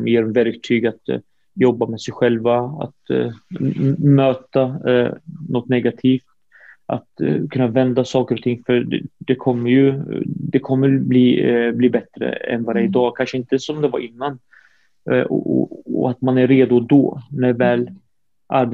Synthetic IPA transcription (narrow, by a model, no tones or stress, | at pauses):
mjeːɾmvæɾkt̪ʰyːɡat̪ | jɔbːamɛsɛjɧɛlvaa̰t̪ | møːt̪a | nɔt̪ːnɛɡat̪ʰiːft̪ | ʔa̰t̪kʰɵnːavɛnd̪asɑːkəɾɔt̪ʰɪŋːfœ̰d̪ɛkʰɔmːəɾjɵd̪ɛkʰɔmːəɾbliːbliːbɛt̪ɾə̰ɛ̰nvaːɾaɪd̪ɑːkʰanʂəɪnt̪əsɔmd̪ɛvaɾɪnːan | ɔɔ̰ɔ̰at̪manæːeːd̪ʊd̪ɔ̰næɾvɛːl | ʔaɾb